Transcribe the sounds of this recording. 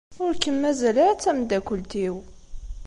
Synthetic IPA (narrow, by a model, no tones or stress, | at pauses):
fʊɾkːəmːæzælæt͡sːæmd̪ækʷʊlt̪iw